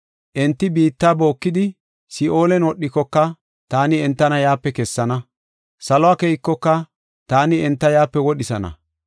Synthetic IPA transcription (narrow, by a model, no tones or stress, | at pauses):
ʔɛnt̪ːɪbiːt̪ːaːbo̞ːkːɪd̪ɪ | sɪʔo̞ːlɛnwɔɗːɪkːɔkːɐ | t̪aːnɪɛnt̪ːɐnɐjaːpːɛkɛsːɐnɐ | sɐlɔaːkejɪkːɔkːɐ | t̪aːnɪɛnt̪ːɐjaːpːɛwɔɗɪsɐnɐ̰